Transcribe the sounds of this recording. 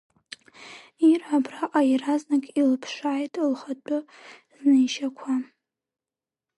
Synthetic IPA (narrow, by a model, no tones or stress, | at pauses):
irʕabraʔʼajraznakʼilɨpʰʂaːjtʰlχat͡pʼʊ | znɨjʃakʷʰa